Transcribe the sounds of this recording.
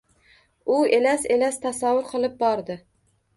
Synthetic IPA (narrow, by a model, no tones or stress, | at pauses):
ʊelaselast̪ʰasavːʊɾqʰɨlˠɪp̚bɒɾd̪ɪ